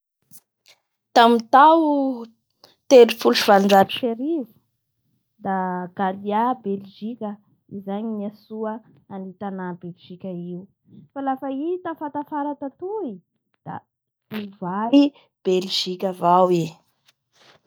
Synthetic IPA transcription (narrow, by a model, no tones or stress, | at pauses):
t̪amit̪aw | t̪eɾifulʃivalɳɖ͡ʐani̥ʃeɾivu̥ | d̪aɡ̥aliabelʒikʲə | izaɲimiasuə | anit̪anabelʒikʲəiu | falafait̪afat̪afaɾat̪at̪ui | d̪̥a̰ | uvai | b̥elʒikʲəvawi